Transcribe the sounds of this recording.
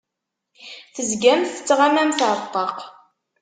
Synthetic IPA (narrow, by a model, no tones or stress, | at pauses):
θəzɡæmθə̥t͡sːʁamæmθʕt̪ˤːɑq